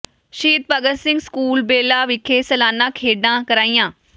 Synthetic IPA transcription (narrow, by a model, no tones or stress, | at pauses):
ʃiːt̪̚pəɡəsɪ̃ŋɡskuːlbeːlaʋɪkʰeːsəlaːnːãːkʰeːɖãːkəɾaːĩjãː